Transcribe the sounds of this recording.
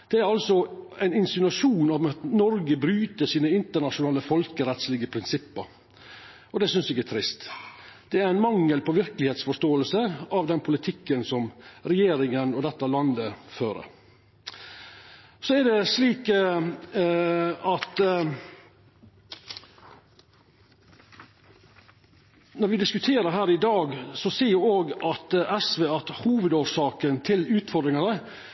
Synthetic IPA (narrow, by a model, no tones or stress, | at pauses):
d̪̥ɛæɾɑlsɔæɪnɪnsɪnɑʂuːnɔmɑt̪nɔɾɡəbɾyːt̪əʂiːnəɪnt̪əɳɑʂʊnɑːləfɔlkəɾɛt̪slɪɡəpʰɾɪnsɪpːəɾ | ɔd̪ɛsʏnsɪɡæt̪ʰɾɪst̪d̪̥ɛæɾæɪnmɑŋːəlpɔʋɪɾkəlɪheːt̪sfɔʂt̪oːəlsəɑʋd̪ɛnpʰʊlɪt̪ʰɪkːənsɔmɾɛjeːɾɪŋənɔd̪ɛt̪ːɑlɑnd̪əføːɾə̰ɾ | sɔæd̪ɛsliːk | ɑt̪ | nɔɾʋɪd̪ɪskʉt̪ʰeːɾəɾɦæːɾɪd̪ɑːɡsɔsiːjʊoːɡʔɑt̪ɛsʋeːɑt̪huːʋəd̪oːʂɑːkənt̪ʰɪlʉːt̪fɔɾd̪ɾɪŋɑɾə